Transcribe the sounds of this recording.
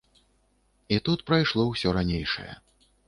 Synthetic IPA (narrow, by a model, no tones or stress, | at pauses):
it̪ut̪pɾajʂlˠɔwsʲɔɾanʲejʂɐ̰jɛ̰